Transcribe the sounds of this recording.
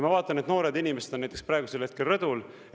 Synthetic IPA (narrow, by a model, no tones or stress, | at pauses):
mɑvɑːt̪ˑːɑnet̪no̞ːɾed̪inʲime̞sed̪onæjt̪ekspɾɑeɡuselhe̞t̪kelrɤd̪ul